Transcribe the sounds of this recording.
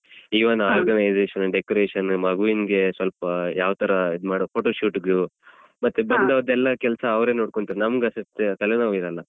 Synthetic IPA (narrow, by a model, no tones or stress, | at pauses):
iːʋɐnaːɾɡɐnɐjd͡ʒeːʃɐnɖekoɾeːʂɐnmɐɡuʋiːnɡe̞sʋɐlpɐjaːʋɐt̪ɐɾɐid̪maːɽopʰoːʈoːʂuːʈɡɐɭu | mɐt̪ːebɐnd̪ɐɐd̪ɛlːɐkɛlɐsɐːʋɾe̞ːnoːɽkoɳt̪aːɾenɐmɐɡɐsɐst̪ːekɐlɐnɐʋiɾɐlːɐ